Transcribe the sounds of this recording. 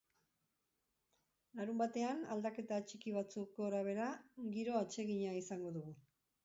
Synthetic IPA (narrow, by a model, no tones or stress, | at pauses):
laɾumbat̪e̞ana̰ld̪ake̞t̪at͡ʃikiβ̞at͡sukoɾaβ̞e̞ɾaɡiɾo̞at͡ʃe̞ɣiɲaisaŋɡo̞ðuɣu